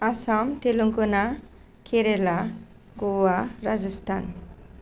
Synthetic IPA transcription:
asɔmt̪eluŋkuna | kʰeɾela | ɡowaɾad͡zʌst̪ʰa̰n

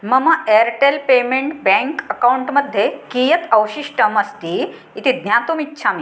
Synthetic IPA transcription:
məmaʔeɾʈelpemeɳʈbɛ̃ŋkəkawuɳʈməd̪ʱːjekijət̪ʰəwɕiɕʈəməst̪iː | t̪id̪njat̪umit̪ːɕʰami

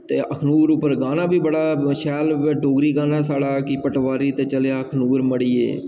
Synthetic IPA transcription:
t̪eːʔəkʰnuːɾʊpːəɾɡaːnaːbiːbəɽaːʃɛːlɖoːɡɾiːɡaːnaːs̬aːɽaːkɪpəʈʋaːɾiːt̪eːt͡ʃəljaːəkʰnuːɾməɽiːḛː

